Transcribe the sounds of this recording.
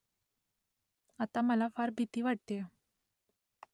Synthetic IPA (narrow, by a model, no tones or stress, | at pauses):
at̪aməlafaɾbʱit̪iːʋaʈ̚t̪e